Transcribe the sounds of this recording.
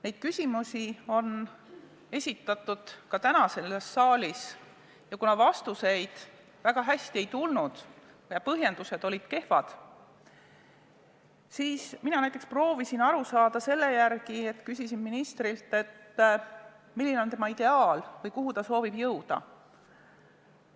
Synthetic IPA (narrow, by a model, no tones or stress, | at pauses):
ne̞jd̪̥̚kysʲimusio̞n | e̞sʲit̪ːˑɑt̪ːˑud̪̥kɑt̪ænɑse̞lːesːɑːlʲis | jɑkunɑvɑst̪use̞jd̪̥ | væɡ̥ɑɦæsʲt̪iejt̪ulnud̪̥ | jɑpɤɦje̞nd̪̥use̞d̪̥o̞lʲid̪̥ke̞hvɑd̪̥ | siːsminɑnæjt̪ekspro̞ːvisinɑɾusɑːd̪̥ɑse̞lːe̞jærɡ̥ie̞t̪kysisinminist̪ɾilt̪e̞t̪ː | milːineo̞nt̪e̞mɑid̪̥e̞ɑːlvɤjkuɦut̪ɑso̞ːvibjɤwd̪̥ɑ̰